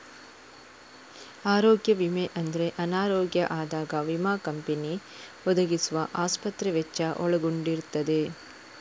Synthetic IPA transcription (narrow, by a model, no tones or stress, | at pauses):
aːɾoːɡjɐʋimeʔɐnd̪ɐɾe̞ʔɐnaːɾoːɡjɐ̰ʔaːd̪aːɡɐʋimaːkɐmpeni | ɔd̪ɐɡisuʋɐʔaːspɐt̪ɾɛʋɛt͡ʃːɐʔɔɭɐɡuɳɖiɾut̪ːɐd̪e̞